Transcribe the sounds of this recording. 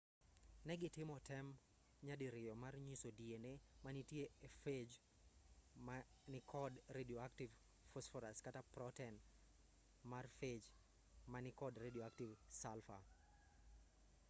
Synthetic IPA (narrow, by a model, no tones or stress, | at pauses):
nɛɡɪtɪmɔtɛm | ɲadiɾɪjɔmarɲisodienemanitjeefed͡ʒ | ma | nɪkʰɔdredioaktiv | fɔsfɔɾaskatapɾɔtɛn | marfed͡ʒ | manɪkɔdredioaktivsalfa̰